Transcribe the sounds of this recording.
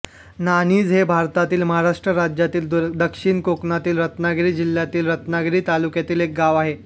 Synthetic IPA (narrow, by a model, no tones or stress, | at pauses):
naniːd͡zɦebʱaɾt̪at̪iːlməɦaɾaʂʈɾəɾad͡ʑjat̪iːld̪əkʂiːɳkoknat̪iːlɾət̪naɡɾiːd͡ʑil̤jat̪iːlɾət̪naɡɾiːt̪alukjat̪iːlek̚ɡaʋaɦe